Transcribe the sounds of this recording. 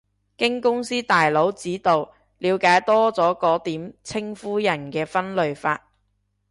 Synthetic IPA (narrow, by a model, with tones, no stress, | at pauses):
kɪ˥ŋkʊ˥ŋsiː˥t̪aː˨jlo˨˥wt͡siː˨˥t̪o˨w | liː˨˧wkaː˨˥jt̪ɔː˥t͡sɔː˨˥kɔː˨˥t̪iː˨˥mt͡sʰɪ˥ŋfuː˥jɐ˨˩nkɛː˧fɐ˥nlɵ˨ɥfa̰ː˧t̚